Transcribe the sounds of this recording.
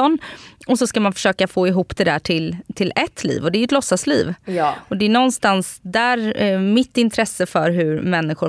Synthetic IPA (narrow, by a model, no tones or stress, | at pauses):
ɔnɔsɔskamanfœ̥ʂøːkafoːɪɦuːpːd̪ɛd̪æːʈʰɪlt̪ʰɪlɛt̪ʰːlḭːvɔd̪ɛæɾjɵɛt̪lɔsːasliːvɔd̪ɛæɳɔnːst̪ansd̪æːɾmɪt̪ːɪnt̪ʰɾɛsːəfœɾɦɵɾmɛnːɪɧʊ